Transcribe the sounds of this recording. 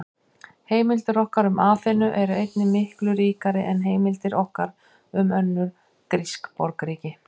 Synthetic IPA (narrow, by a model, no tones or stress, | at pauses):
heːjmɪlt̪ɪɾɔhkaɾʏmaːθɪnːʏʔɛɾejt̪nɪmɪhklʏɾiːkaɾɪʔɛnɦeːjmɪlt̪ɪɾɔhkaɾ | ʏmœnːʏɾ | kɾiskpɔɾkɾiːcɪ